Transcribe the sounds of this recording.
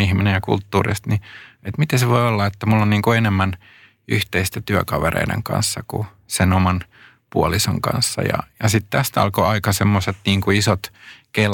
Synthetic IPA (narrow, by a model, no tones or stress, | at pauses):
ihminejɑkṵlt̪ːuːrḭst̪niet̪mit̪æseʋoiolːɑet̪ːæmulːonniːŋkuenemːæn | yht̪eist̪æt̪yækɑʋḛrḛidḛŋkɑ̰nsːɑkṵ | senomɑn | puoliso̰ŋkɑ̰nsːɑ̰jɑ̰jɑsit̪t̪æst̪ɑ̰lkoɑikɑsemːoset̪niːŋkuisot̪kel